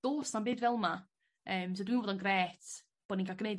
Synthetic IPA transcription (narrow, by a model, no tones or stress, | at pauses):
oːsanbeːdvɛlˠma | əːmsɔdwiːnvɔːdɔnɡrɛːtʰ | b̥ɔdniŋkʰaɡnej